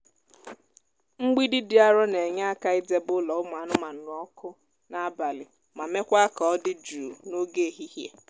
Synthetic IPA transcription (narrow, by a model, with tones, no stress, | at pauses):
ŋ͡m̩˦ɡ͡bi˦di˦dɪ˦a˦ɾɔ˦ne˨ɲa˦a˦ka˦ɪ˦de˦bʊ˦lɔ˨ʊ˦m˨a˨nʊ˦ma˨n̩˨ɾɔ˦kʊ˦ | na˨˦ba˨lɪ˨ | ma˨me˦kʷa˦kɔ˨ɔ˦dɪ˦d͡ʒu˨no˦ɡe˦˨ɦi˦hje˦